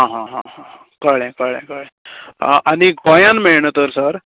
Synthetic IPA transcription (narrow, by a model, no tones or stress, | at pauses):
ɦãɦãɦãɦãɦ | kəɭɛ̃kəɭɛ̰̃kəɭɛ̃ʔaniɡʱojãnmeɭɳət̪əɾsəɾ